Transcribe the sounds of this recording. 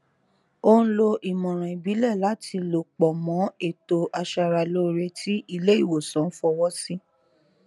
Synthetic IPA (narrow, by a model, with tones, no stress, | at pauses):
o˦ñ̩˦lo˧ʔi˨mɔ̃˨ɾ̃ɔ̃˨i˨bi˨˦lɛ˦˨la˨˦tʰi˧lo˨k͡pɔ˨mɔ̃˨˦e˦˨to˧ʔa˧ʃa˧ɾa˨lo˦ɾe˧tʰi˦ʔi˧le˦i˦˨wo˨sɔ̃˨˦n̩˦fɔ˧wɔ˦si˦